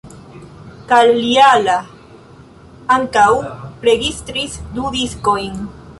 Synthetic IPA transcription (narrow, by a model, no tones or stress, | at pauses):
kalːiala | aŋkawɾe̞ɡistɾisdudisko̞jn